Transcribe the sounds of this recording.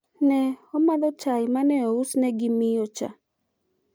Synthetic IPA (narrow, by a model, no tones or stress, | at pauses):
nɛɔmaðɔt͡ʃajɪmanɛɔusnɛɡɪmɪot͡ʃa̰